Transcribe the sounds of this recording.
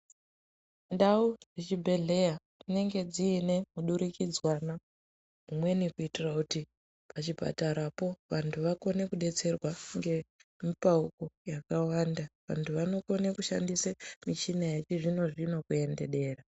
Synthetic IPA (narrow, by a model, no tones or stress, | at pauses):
ndaurit͡ʃibʱe̞ɮe̞jatine̞ŋɡe̞d͡ziːne̞muɗuɾikid͡zwana | umwe̞nikuitirakuti | pʰat͡ʃipa̰taɾapo̞ʋantʰuʋako̞ne̞kuɗe̞t͡se̞rwaŋɡe̞mipauko̞jakawandaʋa̰ntʰuʋano̞ko̞ne̞kuʃa̰ndisemiʃinajet͡ʃiʐino̞ʐino̞kue̞nde̞ɗe̞ːra